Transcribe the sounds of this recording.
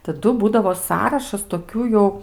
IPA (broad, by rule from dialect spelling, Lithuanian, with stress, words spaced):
tɐˈdʊ ˈbuːdɐʋoː ˈsɑːrɐʃɐs toːˈkʲuː jɛʊ